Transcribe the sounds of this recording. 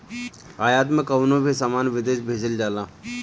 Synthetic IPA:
ajat̪mẽkəwnobʱisamaːnʋɪd̪eːʃbʱeːd͡ʑəld͡ʑala

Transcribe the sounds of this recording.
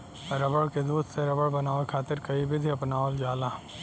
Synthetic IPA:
ɾɐbəɽked̪uːd̪seɾɐbəɽbɐnaːʋekʰaːt̪ɪɾkɐibɪd̪ʱiɐpnaːold͡ʒaːlãː

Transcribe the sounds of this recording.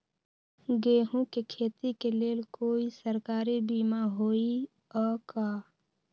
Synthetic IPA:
ɡeːɦõkekʰeːt̪ikeleːlkoːisəɾkaːɾibiːmaɦoːi | ɔːkaː

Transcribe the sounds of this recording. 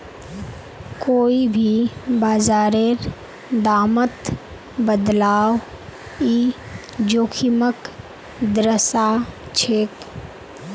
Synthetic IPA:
koːibʱibaːzaːɾeɾ | d̪aːmət̪ | bəd̪laːw | i | d͡ʒoːkʰimək | d̪ɾəsat͡ʃʰeːk

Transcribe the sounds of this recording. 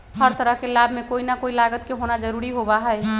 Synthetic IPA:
həɾt̪əɾəɦkelabʱmekoinakoilaɡət̪keɦonad͡ʒəɾuɾiɦobaɦəj

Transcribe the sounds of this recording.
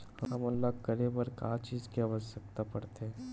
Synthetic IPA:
hɐɦɐmɐlːakəɾebəɾkat͡ʃiːzkiaʋəsək̚t̪apɐɾt̪eɦɛ̃ː

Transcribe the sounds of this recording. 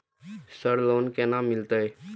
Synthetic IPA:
səɾloːnkenamːɪlt̪əe

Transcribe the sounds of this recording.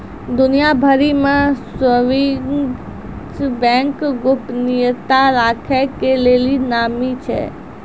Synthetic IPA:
d̪ʊnijabʱəɾimãsəʋi | t͡ʃbɛ̃ŋkɡʊpnijət̪aɾakʰekelelinamit͡ʃʰḛ

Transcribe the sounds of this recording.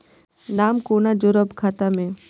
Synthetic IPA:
naːmkoːnad͡ʒoɾəbkʰaːt̪amẽː

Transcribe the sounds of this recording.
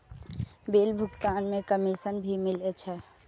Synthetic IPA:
beːlbʱʊɡt̪aːnmẽkəmisənbʱimɪlet͡ʃʰɛ

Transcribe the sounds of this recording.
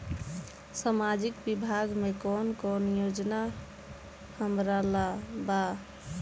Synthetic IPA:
samad͡ʒikbibʱaɡmekɔnkɔnjod͡ʒna | həmɾalaba

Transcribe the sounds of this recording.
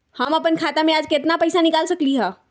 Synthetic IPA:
həmɐpənkʰaːt̪amẽaːd͡ʒkɪt̪napɐjsanɪkaːlsɐkliɦɛː

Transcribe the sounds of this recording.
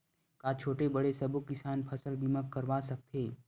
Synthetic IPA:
kaːt͡ʃʰoːʈebɐɽesɐbʊkːɪsaːnpʰɐsəlbʱiməkːɐɾʋaːsɐk̚t̪ʰeː

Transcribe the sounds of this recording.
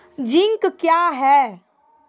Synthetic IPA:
d͡ʒɪ̃ŋkkjaːɦɛː

